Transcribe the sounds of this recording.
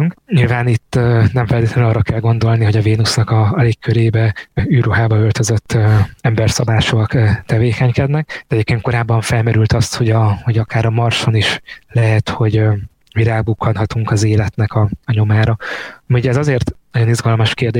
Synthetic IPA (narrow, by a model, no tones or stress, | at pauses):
yŋkɲilvaːnit̪ːnɛɱfɛlt̪eːt̪lɛnnɒːrːɒkɛlɡo̞n̪d̪o̞lniɦo̞ɟɒveːnusnɒkɒɒleːkːøɾeːbɛyːruɦaːbɒølt̪øzø̞t̪ːøɛmbɛrsɒbaːʃoɒkt̪ɛveːkɛɲkɛd̪nɛk̚d̪̥ɛɛɟeːp̚keːn̚ko̞ɾaːbːɒɱfɛlmɛɾylt̪ɒst̪ho̞ɟɒho̞ɟɒkaːɾɒmɒrʃo̞niʃlɛɦɛt̪ho̞ɟ | miɾaːbukːɒnɦɒt̪uŋkɒzeːlɛt̪nɛkɒɒɲo̞maːɾɒɒmiuɟɛzɒzeːrt̪nɒɟo̞nizɡɒlmɒʃkeːrd̪eː